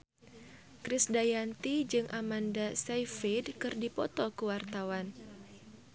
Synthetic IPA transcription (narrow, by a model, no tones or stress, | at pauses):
kɾɪsdajant̪id͡ʒɨŋʔamandasajfidkɨrdipɔt̪ɔkuwart̪awan